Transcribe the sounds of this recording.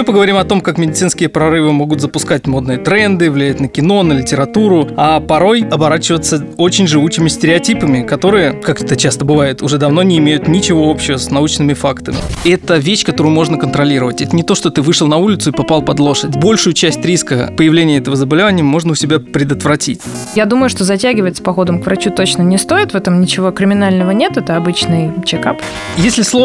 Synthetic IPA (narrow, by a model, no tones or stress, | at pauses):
ɨpəɡəvɐɾʲimɐt̪o̞mkakmʲɪdʲɪt̪sɨnskʲɪjəpɾɐɾɨvɨmo̞ɡʊt̪zəpʊskatʲmo̞d̪nɨjət̪ɾɛnd̪ɨvlʲɪjæt̚ʲnəkʲɪno̞nəlʲɪtʲɪɾɐt̪uɾʊapɐɾo̞jɐbɐɾat͡ɕɪvət̪sə | o̞t͡ɕɪnʲʐɨut͡ɕːɪmʲɪsʲtʲɪɾʲɪɐtʲipəmʲɪkɐt̪o̞ɾɨjəkakɛt̪ət͡ɕast̪əbɨvajɪt̪ʊʐɛd̪ɐvno̞nʲɪːmʲejʊt̪nʲɪt͡ɕɪvo̞o̞pɕɪvəsnɐut͡ɕnɨmʲɪfakt̪əmʲɪ̰ɛt̪əvʲeɕkɐt̪o̞ɾʊjʊmo̞ʐnəkənt̪ɾɐlʲiɾəvətʲɛt̪ənʲɪt̪o̞ʂt̪o̞t̪ɨvɨʂɨəlˠnɐulʲɪt̪sʊipɐpɑlˠpɐd̪lˠo̞ʂədʲbo̞lʲʂʊjʊt͡ɕæsʲtʲɾʲiskə̰pəjɪvlʲenʲɪjəɛt̪əvəzəbɐlʲɪvanʲɪjəmo̞ʐnəʊsʲɪbʲapɾʲɪd̪ət̪vɾɐtʲitʲ | jad̪uməjʊʂt̪ozɐtʲæɡʲɪvətʲspɐxo̞d̪əmkvɾɐt͡ɕut̪o̞t͡ɕnənʲɪst̪o̞ɪt̪vɛt̪əmnʲɪt͡ɕɪvo̞kɾʲɪmʲɪnalʲnəvənʲe̞t̪ɛt̪əɐbɨt͡ɕnɨjt͡ɕɪkap | jesʲlʲɪslˠo